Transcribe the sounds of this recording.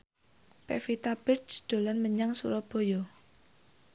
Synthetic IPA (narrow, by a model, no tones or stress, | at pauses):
pɛ̰fit̪ab̥ɪt͡ʃd̪̥o̤lanməɲaŋsṵɾɔb̥o̤jɔ